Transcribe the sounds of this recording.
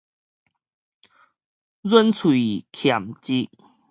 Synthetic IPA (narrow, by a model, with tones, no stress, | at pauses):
zə˦nt͡sʰwi˨kʰja˨˩mt͡ɕi˦